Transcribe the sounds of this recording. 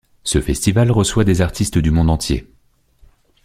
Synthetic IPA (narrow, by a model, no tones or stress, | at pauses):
səfɛst̪ivalʁəswad̪ezaʁt̪ʰist̪d̪ymɔ̃d̪ɑ̃t̪ʰjḛ